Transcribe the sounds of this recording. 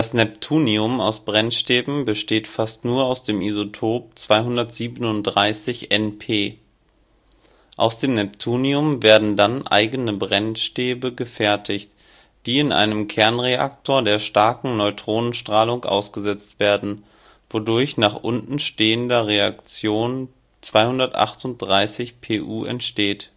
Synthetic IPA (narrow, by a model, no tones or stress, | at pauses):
d̥asnɛptʰuːniʊmaʊsb̥ʁɛnʃteːbm̩bəʃteːtfastnuːɐaʊsd̥eːmʔizotʰoːp̚t͡sv̥aɪɦʊndɐtz̥iːbənʊntd̥ʁaɪsɪçʔɛnpʰeː | ʔa̰ʊsd̥eːmnɛp̚tʰuːniʊmveːɐdn̩danʔa̰ɪɡənəbʁɛnʃteːbəɡəfɛɐtʰɪçt | d̥iːɪnʔa̰ɪnəmkʰɛɐnʁeʔa̰k̚tʰoːɐdeːɐʃtaɐkŋ̩nɔʏtʁ̥oːnənʃtʁ̥aːlʊŋkʔa̰ʊsɡ̥əzɛt͡stv̥eːɐdn̩ | v̥odʊɐçnaːχʔʊntn̩ʃteːəndɐʁea̰kt͡sjoːn | t͡sv̥aɪhʊndɐtʔa̰χtʊnt̚d̥ʁaɪsɪçpʰeːʔuːʔɛ̰ntʃteːt